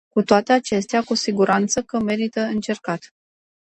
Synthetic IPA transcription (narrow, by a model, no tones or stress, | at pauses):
kut̪oat̪e̞at͡ʃe̞st̪eakusiɡuɾʔant̪səkəme̞ɾit̪əɨnt͡ʃe̞rkat̪